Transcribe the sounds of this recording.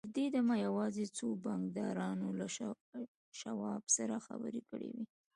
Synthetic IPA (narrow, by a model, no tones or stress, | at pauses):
əɾd̪ed̪amajawɑzet͡sobaŋɡd̪ɑɾɑnola | ʃawɑbsaɾaxa̰bə̰ɾekəɽḛwi